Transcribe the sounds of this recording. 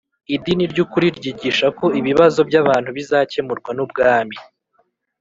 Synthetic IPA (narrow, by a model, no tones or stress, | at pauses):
idiniɾɟukuɾiɾɟiɟiʃako̞iβiβazo̞bɟaβaːn̥huβizaːce̞muɾɡwanubɡaːmi